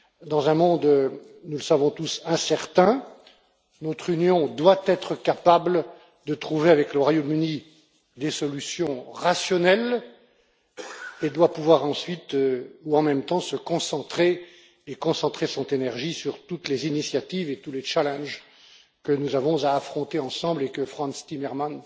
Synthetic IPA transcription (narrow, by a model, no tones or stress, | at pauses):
d̪ɑ̃zɛ̃mɔ̃d̪ | nuləsavɔ̃t̪usɛ̃sɛʁt̪ɛ̃ | nɔt̪χynjɔ̃d̪wat̪ɛt̪χəkapabl | d̪ət̪χuveavɛkləʁwajomyni | d̪esɔlysjɔ̃ʁasjɔnɛl | ed̪wapuvwaʁɑ̃sɥit̪øuɑ̃mɛmt̪ɑ̃səkɔ̃sɑ̃t̪χeː | kɔ̃sɑ̃t̪χesɔ̃t̪enɛʁʒisyʁt̪ut̪lezinisjat̪ivet̪ulet͡ʃalɛ̃nʒ | kənuzavɔ̃zaːfχɔ̃t̪eɑ̃sɑ̃blekəfχɑ̃nst̪imɛʁman